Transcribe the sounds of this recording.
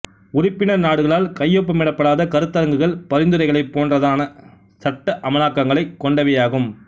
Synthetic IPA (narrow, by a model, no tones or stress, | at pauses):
ʊɾɪpːɪnɐnaːɽɯɣɐɭaːlkɐjːɔp̬ːɐmɪɽɐpːɐɽaːðɐkɐɾɯt̪ːɐɾɐŋɡɯɣɐɭpɐɾɪnd̪ɯɾɐɪɣɐɭɐɪpːoːndrɐðaːnɐ | sɐʈːɐʔɐmɐlaːkːɐŋɡɐɭɐɪkːɔɳɖɐʋɐjaːɣɯm